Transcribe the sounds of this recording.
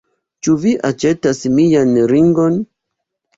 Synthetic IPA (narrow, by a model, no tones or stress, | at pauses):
t͡ʃuviʔat͡ʃe̞tasmijanɾiŋɡo̞n